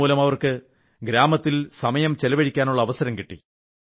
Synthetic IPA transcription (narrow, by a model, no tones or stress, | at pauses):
uːlɐmɐʋɐrkɨ | ɡɾaːmɐt̪ːilsɐmɐjɐmt͡ɕelɐʋɐɽikʲːaːnuɭːɐːʋɐsɐɾɐmkiʈːḭ